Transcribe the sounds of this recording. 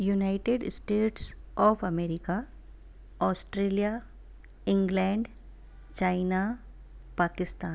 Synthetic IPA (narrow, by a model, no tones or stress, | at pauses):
junaɪʈeɖsʈeːʈsɔːfɐmeːɾɪka | ɔːsʈɾeːlija | ɪ̃ŋɡlɛ̃ːɳɖ | t͡ʃaːɪna | paːkɪst̪aːn